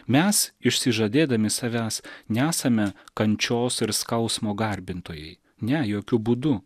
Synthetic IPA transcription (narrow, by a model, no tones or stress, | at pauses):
mʲɛsɪʃʲsʲɪʒɐd̪ʲeːd̪ɐmʲɪsɐʋʲæːsnʲɛæːsɐmʲɛkɐnʲt͡ʃʲoːsɪɾskɐʊsmoːɡɐɾʲbʲɪnt̪oːjɛɪ | nʲɛjoːkʲʊbuːd̪ʊ